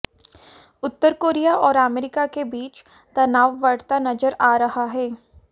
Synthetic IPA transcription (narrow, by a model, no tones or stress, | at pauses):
ʊt̪ːəɾkoːɾijaʔɔːɾameːɾɪkakebiːt͡ʃ | t̪ɐnaːʋːɐɽt̪anɐzəɾaːɾɐɦaɦɛː